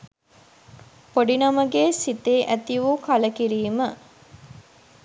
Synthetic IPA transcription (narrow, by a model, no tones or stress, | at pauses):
poɖinɐməɡeːsit̪eːʔæt̪iʋukɐləkiɾiːmə